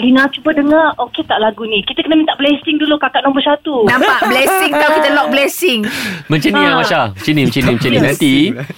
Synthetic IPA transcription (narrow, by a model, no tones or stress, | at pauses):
linat͡ʃubədəŋaroket̪aʔlaɡunĩkit̪əkənəmint̪aʔblɛsɪŋdulukakaʔnɔŋbəsat̪unãmpaʔblɛsɪŋt̪awkit̪əlɔk̚blɛsɪŋmə̃ɲt͡ʃanĩjamãʃamət͡ʃinĩmə̃t͡ʃənĩmə̃ɲt͡ʃənĩnãt̪i